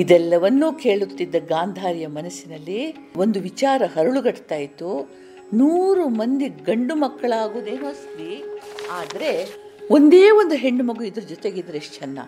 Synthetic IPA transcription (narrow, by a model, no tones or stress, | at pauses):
id̪ɛlːɐʋɐnːuːke̞ːɭut̪ːid̪ːɐɡaːnd̪ʱaːɾjɐmɐnɐsinɐlːi | o̞nd̪uʋit͡ʃaːɾɐɦɐɾuɭuɡɐʈt̪aːjit̪u | nuːɾumɐnd̪iɡɐɳɖumɐkːɐɭaːɡuːd̪e̞ːnuɐst̪iaːd̪ɐɾe̞ | o̞nd̪e̞ːʋond̪uɦe̞ɳːumɐɡuid̪ɐɾud͡ʒɔt̪eɡid̪ɐɾeʂt͡ʃɐnːɐ̰